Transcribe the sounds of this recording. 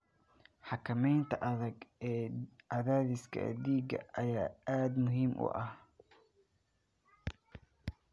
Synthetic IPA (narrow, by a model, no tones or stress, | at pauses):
ħɑkʰɐmɛjnt̪ʰɐʔɐðɐɡɛːʔɐðaːðɪskʰɐ̰d̪iːɡɐ̰ʔɐjaːaːd̪mʊɦiːmʔʊ̰ʔɐh